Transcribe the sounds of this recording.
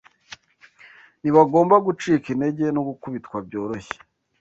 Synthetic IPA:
niβaɡo̞ːmbaɡut͡ʃiːkinde̞ɟe̞noɡukuβitkwabɟo̞ːɾo̞çe̥

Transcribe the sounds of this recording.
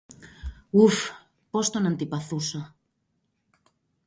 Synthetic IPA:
uf | post̪onãnt̪ipaθusa

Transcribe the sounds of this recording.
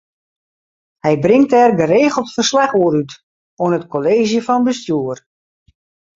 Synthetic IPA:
hɛjbrɪŋtɛrɡəreːɣəl̩ˠtfərslaxoːəɾyt | oənətkʰoleːʒjəfɔnbəstjuər

